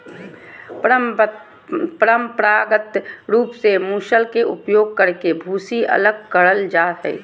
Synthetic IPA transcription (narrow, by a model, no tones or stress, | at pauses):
p | pɾəmpɾaːɡət̪ɾuːpsemuːʃəlkeʔʊpjoːɡ̚kəɾkebʱuːsiə̰ləɡ̚kəɽəld͡ʒaːɦɛ̰ː